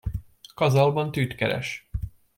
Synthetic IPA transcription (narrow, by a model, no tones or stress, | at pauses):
kɒzɒlbɒnt̪yːt̪kɛɾɛ̰ʃ